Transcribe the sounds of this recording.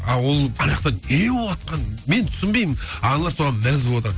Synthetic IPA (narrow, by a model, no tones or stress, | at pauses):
ɑwo̞lˠɑɾjɑqt̪ɑneolˠɑt̪̚qɑnme̞nt̪ʰʏ̥sɪnbejmɪnɑnlˠɑɾsoʁɑnmæzblˠɑt̪əɾ